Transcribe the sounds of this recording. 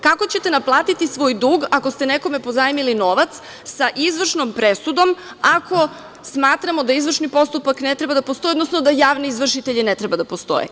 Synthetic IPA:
kako̞t͡ɕet̪e̞naplˠaːt̪it̪isʋo̞ːjd̪uːɡako̞st̪eneko̞mepozajimilino̞ʋat̪s | saʔizʋr̩ʃnompɾesud̪o̞m | ako̞ | smaːt̪ɾamo̞d̪aizvr̩ʃnipo̞st̪upaknet̪ɾe̞bad̪apost̪o̞jod̪nosnod̪ajaːʋneizʋr̩ʃit̪eʎinet̪ɾebad̪apost̪o̞̰jḛ

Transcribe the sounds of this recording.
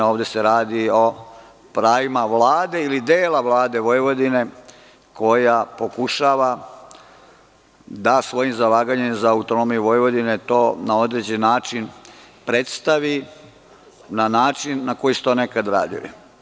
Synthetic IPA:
oːʋd̪e̞se̞ɾaːd̪io | pɾaːʋimaʋlaːd̪e̞ilid̪eːlaʋlˠaːd̪e̞ʋojʋo̞d̪ine̞ | ko̞japo̞kuʃaːʋa | d̪asʋo̞jimzalaːɡaɲemzaːut̪onomijuʋo̞jeʋo̞d̪ine̞t̪o̞ːnao̞d̪ɾed͡ʑennːaːt͡ʃinpɾe̞t̪st̪aʋi | nanaːt͡ʃinːako̞jisu̥t̪o̞ːne̞kad̪ɾa̰ːd̪ḭlḭ

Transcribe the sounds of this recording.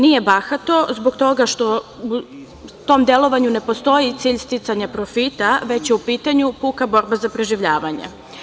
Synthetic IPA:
nije̞baxat̪o̞zbo̞ɡt̪o̞ɡaʃt̪o̞u | t̪o̞md̪e̞lo̞ʋaɲune̞post̪o̞jit̪siːʎst̪it̪saɲapɾofit̪aʋe̞t͡ɕjeupiːt̪aɲupukabo̞ɾbazapɾeʒiʋʎaːʋaɲḛ

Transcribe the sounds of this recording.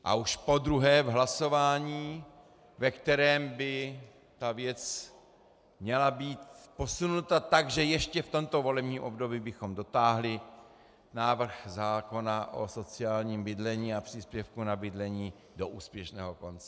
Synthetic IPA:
ʔa̰ʔuʃpo̞d̪ɾuɦɛːvɦlaso̞vaːɲiː | vɛkt̪ɛɾɛːmbɪ | t̪avjɛt͡s | mɲɛlabiːt̪po̞sunut̪at̪aɡʒɛjɛʃcɛft̪o̞mt̪o̞vo̞lɛbɲiːmʔo̞bdo̞biːbɪxo̞mdo̞t̪aːɦlɪ | naːvr̩xzaːko̞naʔo̰so̞t͡sɪaːlɲiːmbɪdlɛɲiːapr̥ɪspjɛfkunabɪdlɛɲiː | do̞ʔuːspjɛʃnɛ̰ːɦo̞ko̞nt͡sɛ

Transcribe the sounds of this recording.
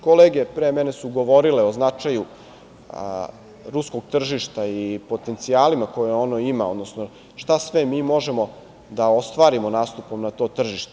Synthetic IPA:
koleːɡe̞pɾeːmenesuɡo̞ʋo̞ɾileo̞znat͡ʂaju | ɾusko̞ɡ̚t̪r̩ʒiʃt̪aipo̞t̪e̞nt̪siaːlimako̞jeo̞noimao̞d̪no̞sno | ʂt̪asʋemiːmo̞ʒe̞mo̞ | d̪ao̞st̪ʋaːɾimonaːst̪upo̞mnat̪o̞ːt̪r̩ʒiʃt̪e

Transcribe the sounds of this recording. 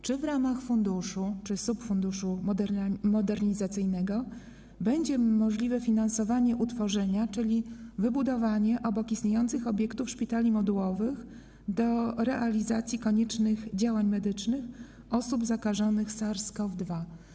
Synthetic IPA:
t͡ʂɘvɾamaxfund̪uʂut͡ʂɘsupfund̪uʂud̪mɔd̪ɛɾɲizat̪sɘjnɛɡɔ | bɛɲd͡ʑɛmɔʐlʲivɛfʲinansɔvaɲɛʔut̪fɔʐɛɲat͡ʂɘlʲivɘbud̪ɔvaɲɛʔɔbɔkist̪ɲejɔnt̪sɘxɔbʲjɛkt̪ufʂpʲit̪alʲimɔd̪uwɔvɘx | d̪ɔɾɛʔalʲizat̪sʲjikɔɲɛt͡ʂnɘɣd͡ʑawaɲmɛd̪ɘt͡ʂnɘx | ɔsubzakaʐɔnɘxsaɾskɔvd̪va

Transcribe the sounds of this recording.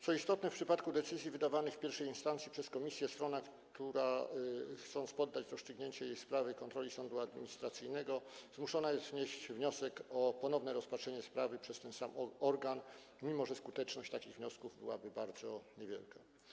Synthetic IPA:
t̪sɔist̪ɔt̪nɛfpʂɘpat̪kud̪ɛt̪sɘzʲjivɘd̪avanɘxfpʲjɛɾfʂɛjinst̪ant̪sʲipʂɛskɔmʲisʲjɛst̪ɾɔnak | t̪uɾa | xt̪sɔnt̪spɔd̪ːat͡ɕɾɔst͡ʂɘɡɲeɲt͡ɕɛjejspɾavɘkɔnt̪ɾɔlʲisɔnd̪uad̪mʲiɲist̪ɾat̪sɘjnɛɡɔzmuʂɔnajɛst̪ɲeɕt͡ɕvɲɔsɛkɔpɔnɔvnɛɾɔspatʂɛɲɛspɾavɘpʂɛst̪ɛnsamɔɔɾɡan | mʲimɔʐɛskut̪ɛt͡ʂnɔɕt͡ɕt̪akʲiɣvɲɔskuvbɘ̰wa̰bɘbaɾd̪zɔɲevʲjɛ̰lka

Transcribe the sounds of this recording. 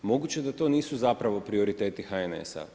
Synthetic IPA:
mo̞ɡut͡ɕe̞d̪at̪o̞ːniːsuzapɾaʋo̞pɾio̞ɾit̪eːt̪ixaene̞̰sa̰

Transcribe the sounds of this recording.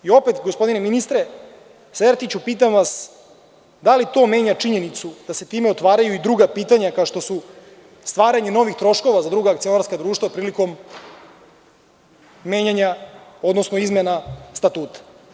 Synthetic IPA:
io̞pe̞t̪ɡospo̞d̪ineminist̪ɾe̞ | seɾt̪it͡ɕupiːt̪̬amʋas | d̪alit̪o̞me̞ɲat͡ʂiɲe̞nit̪sud̪̥ase̞t̪iːmeo̞t̪ʋaːɾajuid̪ɾuɡapiːt̪aɲakaoʂt̪o̞su | st̪ʋaːɾaɲeno̞ʋixt̪ɾo̞ʃko̞ʋazad̪ɾuɡaːkt̪sio̞naɾskad̪ɾuːʃt̪vapɾiːliko̞m | e̞ːɲaɲao̞d̪nosno̞izmenast̪at̪uːt̪ḁ

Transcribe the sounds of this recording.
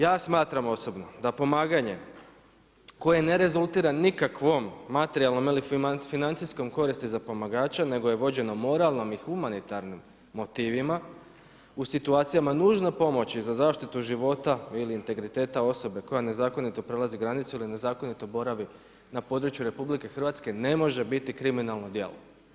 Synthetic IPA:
jaːsmaːt̪ɾamo̞so̞bno̞d̪apo̞maːɡaɲe̞ | ko̞je̞ne̞ɾe̞zulˠt̪iɾanikakʋo̞mːat̪eɾialˠno̞milifinant̪sisko̞mko̞ɾist̪izapo̞maɡaːt͡ɕane̞ɡoje̞ʋo̞d͡ʑe̞no̞mo̞ɾalˠnomixumanit̪aɾnimː | o̞t̪iːʋima | usit̪uaːt̪sijamanuːʒnapo̞mo̞t͡ɕizazaːʃt̪it̪uʒiʋo̞t̪ailiːnt̪e̞ɡɾit̪e̞ːt̪ao̞so̞be̞ko̞jane̞zaːko̞nit̪o̞pɾe̞laziɡɾanit̪suiline̞zaːko̞nit̪o̞bo̞ɾaʋi | napo̞ːd̪ɾut͡ɕjuɾe̞publike̞xr̩ʋat̪ske̞ne̞mo̞ʒe̞bit̪ikɾiminalˠno̞d̪je̞̰lˠo

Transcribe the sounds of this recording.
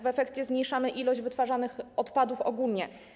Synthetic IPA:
vɛfɛkt͡ɕɛzmɲejʂamɘʔilɔʑd͡ʑvɘt̪faʐanɘxɔt̪pad̪ufɔ̰ɡulɲɛ

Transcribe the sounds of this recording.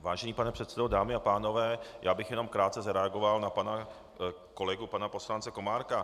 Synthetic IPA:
vaːʒɛniːpanɛpr̝̥ɛt̪sɛdodaːmɪapaːno̞vɛːjaːbɪxjɛno̞mkɾaːt̪t͡sɛzaɾɛaɡo̞valnapana | ko̞lɛɡupanapo̞slant͡sɛko̞maːɾka

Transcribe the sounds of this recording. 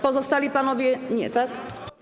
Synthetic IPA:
pɔzɔst̪alʲipanɔvʲjɛɲɛ̰t̪ak

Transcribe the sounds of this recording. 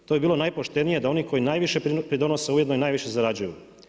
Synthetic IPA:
t̪ojebiːlˠo̞najpoʃt̪e̞nije̞d̪ao̞niko̞jinaːjʋiʃepɾid̪o̞nose̞ujed̪nojnaːjʋiʃezaɾad͡ʑujṵ

